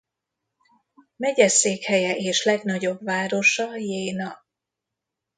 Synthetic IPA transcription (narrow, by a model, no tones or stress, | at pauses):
mɛɟɛseːkhɛjɛʔeːʃlɛɡnɒɟo̞bvaːɾo̞ʃɒjeːnɒ